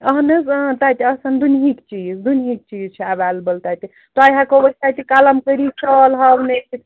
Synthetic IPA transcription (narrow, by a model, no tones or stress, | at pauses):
əɦnəz̃t̪at̪iəsənd̪unɦikt͡ʃid͡ʒd̪unɦik̚t͡ʃid͡ʒt͡ʃʰɛabalbəlt̪at̪i | t̪ɔajɦãkobət̪at̪ikaləmkəɾit͡ʃʰəlɦəbnet͡ʃʰit̪